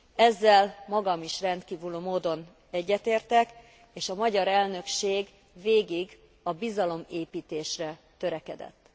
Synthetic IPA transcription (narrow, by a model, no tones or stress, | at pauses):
ɛzːɛlmɒɡɒmiʃrɛnt̪kiːvyløːmoːd̪o̞n | ɛɟːɛt̪eːrt̪ɛk | eːʃɒmɒɟɒɾɛlnø̞kʃeːɡ | veːɡiɡ | ɒbizɒlo̞meːpiːt̪eːʃrɛt̪ø̞ɾɛkɛd̪ɛ̰t̪ː